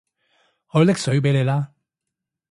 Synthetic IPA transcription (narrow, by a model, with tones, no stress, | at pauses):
hɔː˨˧˦lɪ˥k̚sɵ˨˥ɥp̬e˨˥jle˨˧jlaː˥